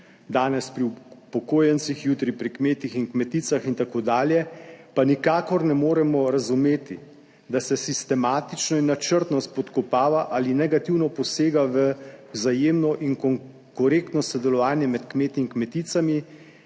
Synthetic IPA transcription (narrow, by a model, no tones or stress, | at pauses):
d̪aːnɛspɾiupɔkoːjɛnt̪sixjuːt̪ɾipɾikmeːt̪ixinkmɛt̪iːsaxint̪akoːd̪aːljɛpanikaːkɔɾnɛmoːɾɛmɔɾazumeːt̪i | d̪asɛsist̪ɛmaːt̪it͡ʃnɔinːat͡ʃəɾt̪nɔst̪pɔt̪kɔpaːʋaʔalinɛɡat̪iwnɔpɔseːɡaʋəwzajeːmnɔʔiŋkɔŋ | kɔɾekt̪nɔsɔd̪ɛlɔʋaːnjɛmɛt̪kmeːt̪iːŋkmɛt̪iːt̪sami